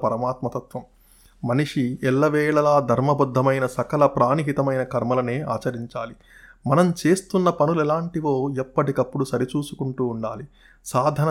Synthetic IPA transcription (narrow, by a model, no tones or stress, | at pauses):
pɐɾɐmaːt̪mɐt̪ɐt̪ʋɐmː | ɐniʂiɛlːɐʋɛːɭɐlaːd̪ʱɐɾmɐbud̪ʱːɐmɐjnɐsɐkɐlɐpɾaːniɦit̪ɐmɐjnɐkɐɾmɐlɐneːʔa̰ːt͡ʃɐɾiɲt͡ʃaːli | mɐnɐmt͡ʃe̞ːst̪unːɐpɐnulɛlaːɳʈiʋo̞ːɛpːɐʈikɐpːuɽusɐɾit͡ʃuːsu̥kuɳʈuːɳɖaːli | saːd̪ʱɐnɐ